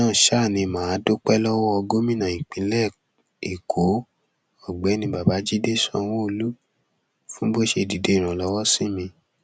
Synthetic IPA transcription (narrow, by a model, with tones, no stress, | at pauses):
ã˦˨ʃa˦˨nĩ˧mãː˨˦do˦k͡pɛ˦lɔ˦wɔ˦ɔ˧ɡo˦mĩ˦nã˨ĩ˨k͡pĩ˨˦lɛ˦˨ | e˨kʰo˨˦ | ɔ˦˨ɡ͡bɛ˨˦nĩ˧ba˨ba˨˦d͡ʒi˦de˦sɔ̰̃˧w̃ɔ̃˦o˧lu˦ | fũ˦bo˦˨ʃe˧˨di˨de˨˦˨ɾ̃ã˨lɔ˦wɔ˦sĩ˦˨mĩ˧